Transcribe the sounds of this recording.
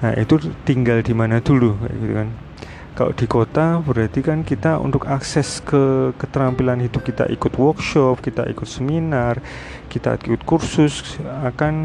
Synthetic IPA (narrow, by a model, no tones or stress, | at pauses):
naʔḭt̪ut̪iŋɡald̪imanad̪̥ulṵɡit̪ṵkan | kalo̰ʔd̪̥ikot̪abəɾat̪ikankit̪aṵnt̪ʊkaksɛskəkət̪əɾampilanɦid̪ʊp̚kit̪a̰ʔikʊt̪wɔrkʃɔp̚kit̪a̰ʔḭkʊt̪̚səminar | kit̪a̰ikʊt̪̚kursʊsakan